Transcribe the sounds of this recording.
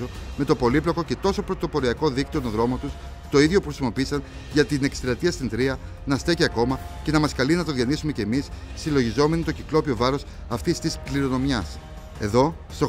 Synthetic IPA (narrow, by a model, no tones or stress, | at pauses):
ome̞t̪o̞po̞liplo̞ko̞ce̞t̪o̞so̞pɾo̞t̪o̞po̞ɾiɐko̞ðikt̪ionoðɾo̞mot̪us | t̪o̞iðʝo̞puxɾisimo̞piisɐn | ʝɐt̪ine̞kst̪ɾɐt̪iɐst̪ind̪ɾiɐ | nɐst̪e̞ciɐko̞mɐce̞nɐmɐskɐlinɐt̪o̞ðʝɐnisume̞ce̞ːmisːilo̞ʝizo̞me̞nit̪o̞ciklo̞pio̞vɐɾo̞s | ɐft̪ist̪iskliɾo̞no̞mʝɐs | e̞̰ðo̞ | st̪o̞